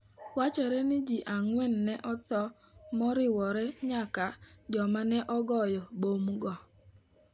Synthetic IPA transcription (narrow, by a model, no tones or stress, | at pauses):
wat͡ʃɔɾɛnɪd͡ʒiʔaŋwɛnːɛʔɔt̪ɔ | mɔɾɪwɔɾɛɲakad͡ʒɔmanɛʔɔɡɔjɔbomɡɔ